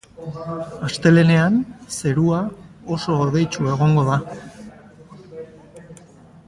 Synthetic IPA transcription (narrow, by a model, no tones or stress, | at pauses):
ast̪e̞le̞ne̞anse̞ɾuao̞so̞ːðe̞jt͡ʃue̞ɣ̞o̞ŋɡo̞ða